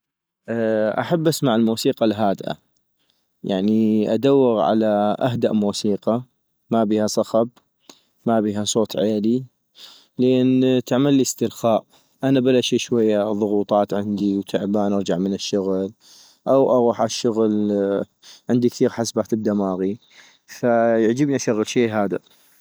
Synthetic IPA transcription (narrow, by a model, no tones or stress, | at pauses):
ʔʔa̰ħabːʔasmaʕɪlmuːsiːqɑlɦaːd̪ʔa̰ | jaʕniʔa̰d̪awːɪɣʕa̰laʔaɦd̪aʔmuːsiːqɑ | mabiːhasˤɑxɑb̚ | mabiːɦasˤoːt̪ˤʕeːli | lʔeːnt̪aʕmalːɪst̪ɪɾxaːʔ | ʔanabalaʃiʃwajːaðˤʊɣuːt̪ˤɑːt̪ʕɪnd̪iwt̪ʰaʕbaːnʔɑɾˤd͡ʒaʕmənɪʃːʊɣl | ʔawʔaɣuːħaʃːʊɣl | ʕɪnd̪ikθiːɾħasbaːt̪ɪb̚d̪amaːɣi | fajɪʕd͡ʒəbniʔaʃaɣːəlʃiːɦaːd̪a̰